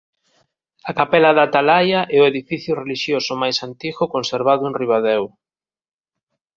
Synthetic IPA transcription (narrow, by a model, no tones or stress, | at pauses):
akapɛlɐðat̪alajaʔɛʊeðifiθjʊreliʃjosʊmajsant̪iɣʊkonseɾβaðʊenriβ̞aðɛw